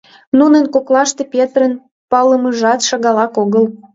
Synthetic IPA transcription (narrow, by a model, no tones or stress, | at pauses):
nunənkoklɑʃt̪epʲet̪ɾən | pɑləməʒɑt̪ʃɑɣɑlɑkoɣəl